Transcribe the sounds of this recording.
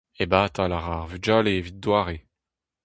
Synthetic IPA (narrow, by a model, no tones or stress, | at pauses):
ebaːt̪alaʁaʁvyd͡ʒaleːvit̪̚d̪waːʁe